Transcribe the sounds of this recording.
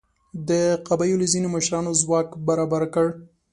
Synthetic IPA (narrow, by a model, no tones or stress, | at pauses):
d̪əqabajolozinoməʃɾɑnozwɑkbaɾɑbaɾkəɽ